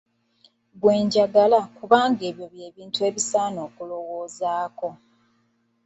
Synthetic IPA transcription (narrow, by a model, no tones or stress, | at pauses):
ɡweːɲɟaɡalakuβaːŋɡe̞ːβjo̞βje̞ːβiːntue̞ːβisaːno̞ːkulo̞wo̞ːzaːko̞